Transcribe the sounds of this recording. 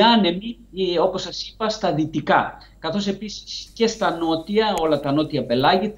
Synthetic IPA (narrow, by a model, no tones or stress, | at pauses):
ɐne̞mi | o̞po̞sːɐsi̥pɐst̪ɐðit̪ikɐ̰ | kɐθo̞se̞pisi̥sce̞st̪ɐno̞t̪iɐo̞lɐt̪ɐno̞t̪iɐpe̞lɐʝi